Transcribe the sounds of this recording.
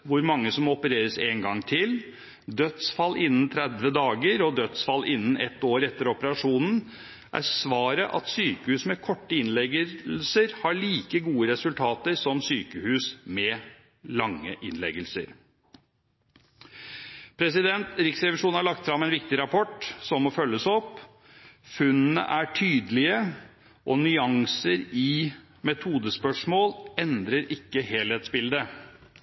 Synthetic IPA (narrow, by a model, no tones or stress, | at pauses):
ʋʊɾmɑŋːəsɔmɔpəɾeːɾəsɛŋɡɑŋːt̪ʰɪl | d̪œt̪sfɑlːʔɪnːn̩t̪ʰɾɛd̪ʋəd̪ɑːɡəɾɔd̪œt̪sfɑlːʔɪnːn̩ɛt̪ːoːɾɛt̪ːəɾɔpəɾɑʂuːnn̩ | ʔæ̰sʋɑːɾəʔɑ̰t̪syːkəhʉːsmɛkʰɔʈːəɪnlɛɡlsəɾhɑɭiːkəɡuːəɾɛsʉlt̪ʰɑːt̪əɾsɔmsyːkəhʉːsmɛ | lɑŋːəʔɪnlɛ̰ɡəlsə̰ɾ | pʰɾɛsɪd̪ɛnt̪ɾɪksɾɛʋɪʂuːnhɑɭɑk̚t̪fɾɑmɛnʋɪkt̪ɪɾɑpʰɔʈːsɔmɔfœlːəsɔpː | fʉnːnə̰ʔæʈʰyːd̪əlɪə | ʔɔnʏɑŋsəɾɪ | mɛt̪ʰuːd̪əspœʂmoːlɛnd̪ɾəɾɪkːəheːlheːt̪sbɪld̪ə